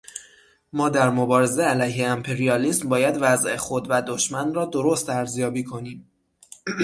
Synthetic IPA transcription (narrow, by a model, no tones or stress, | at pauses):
mɒːd̪æɾmo̞bɒːɾe̞ze̞ælæjɦe̞æmpʰe̞ɾijɒːliːsmbɒːjæd̪væzʔexo̞d̪væd̪o̞ʃmænrɒːd̪oɾost̪æɾzjɒːbiːkʰo̞niːm